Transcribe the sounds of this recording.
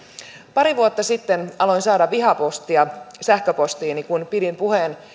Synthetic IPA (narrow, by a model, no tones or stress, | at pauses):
pɑɾiʋuot̪ːɑsit̪ːenɑlo̞jnsɑːdɑʋʋiɦɑpo̞st̪iɑsæhkøpo̞st̪iːnikunpidimpuhen